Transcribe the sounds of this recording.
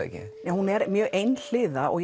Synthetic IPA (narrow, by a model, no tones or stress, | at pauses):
ḛcɪ̰ | nɛhunɛɾmjœːɣʔejnl̥ɪːðaʔɔ̰ɣj